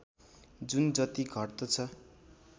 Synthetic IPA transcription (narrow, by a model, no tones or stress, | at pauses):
d͡zund͡zʌt̪iɡʱʌrt̪ʌt͡sʰʌ